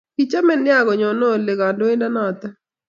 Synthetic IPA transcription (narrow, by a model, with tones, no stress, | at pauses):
ki˦t͡ʃa˦mɛ˦˨nɪ˦a˦˨ɡɔ˨ɲɔ˨nɔ˦˨lɪ˨ɡa˨ndo˦ɪ˦nda˦nɔ˦˨t̪a˦